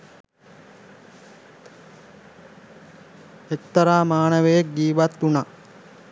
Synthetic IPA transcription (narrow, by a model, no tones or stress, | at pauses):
ek̚t̪ɐɾaːmaːnɐʋejek̚ɡiːʋat̪ːuna